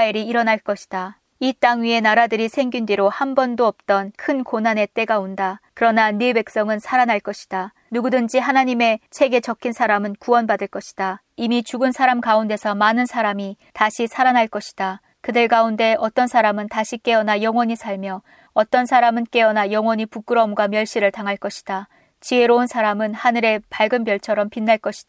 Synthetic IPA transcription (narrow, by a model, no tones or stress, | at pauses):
eɾiiɾʌnaɭk͈ʌɕʰi̥d̥a | it͈aŋɥie̞naɾadɯɾisʰe̞ŋɡindiɾohambʌndoʌp̚t͈ʌnkʰɯnkonane̞t͈e̞ɡaondakɯɾʌnanebe̞k̚s͈ʌŋɯnsʰaɾanaɭk͈ʌɕʰi̥d̥a | nuɡudɯnd͡ʑiɦanaɲime̞t͡ɕʰe̞ɡe̞t͡ɕʌkʰinsʰaɾamɯnkuwʌnbadɯɭk͈ʌɕʰi̥d̥a | imit͡ɕuɡɯnsʰaɾamkaunde̞sʰʌmanɯnsʰaɾami | taɕʰisʰaɾanɦaɭk͈ʌɕʰi̥d̥a | kɯdɯɭkaunde̞ʌt͈ʌnsʰaɾamɯntaɕʰik͈e̞ʌnajʌŋwʌɲisʰaɭmjʌ | ʌt͈ʌnsʰaɾamɯnk͈e̞ʌnajʌŋwʌɲipuk͈ɯɾʌmɡwamjʌɭɕ͈iɾɯɭtaŋɦaɭk͈ʌɕʰi̥d̥a | t͡ɕie̞ɾounsʰaɾamɯnhanɯɾe̞paɭɡɯmbjʌɭt͡ɕʰʌɾʌmpinːaɭk͈ʌɕʰid̥a